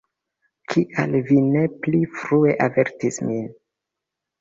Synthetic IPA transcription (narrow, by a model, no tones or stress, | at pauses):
kʰiʔa̰lvine̞plifɾue̞ʔave̞ɾtismin